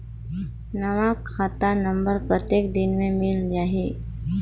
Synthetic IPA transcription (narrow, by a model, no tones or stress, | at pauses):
nɐʋakʰaːt̪anə̃mbəɾpət̪eːkd̪ɪnmẽmɪld͡ʒaːɦeː